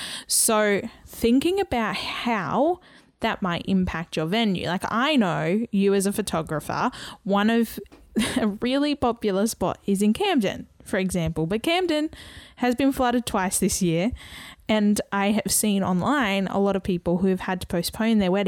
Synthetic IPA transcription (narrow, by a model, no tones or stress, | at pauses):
soʊθɪ̃ŋkɪ̃ŋɨbaʊt̚hhaʊ | ðɨt̚maɪʔɪ̰̃mpʰæk̚t͡ʃə˞vɛ̃njʉ̰laɪka̰ɪnoʊjɨːzɨfɨtʰɑɡɹɨfə̰˞wʌ̃nʌv̥ɨɹɪlˠipʰɑpjl̩ˠə˞spɑ̰ɾɪzɨ̃nkʰæ̃mdɨ̰̃nfə˞ɨɡzæ̃mpl̩ˠbʌt̚kʰæ̃m̚dɨ̃nɨzbɨ̃nflʌɾɨd̚tʰw̥aɪsðɪsjɪɹɨ̃nʔaɪɨv̥sĩnɑ̰̃nlãɪ̃nə̰lɔɾʌv̥pʰipl̩ˠɦʉɨv̥ɨd̚tʰə̥pʰoʊspʰõʊ̃nðə˞wɛɾ